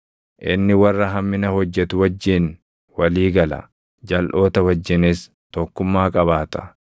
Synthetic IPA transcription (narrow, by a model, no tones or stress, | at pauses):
ʔɪ̰nːɪwɐrːɐɦɐmːɪnɐhɔd͡ʒːɛt̪ʊwɐd͡ʒːin | wɐliːɡɐlɐ̰ | d͡ʒɐlʔo̞ːt̪ɐwɐd͡ʒːɪnɪs | t̪ɔkːʊmːaːkʼɐbaːt̪ɐ̥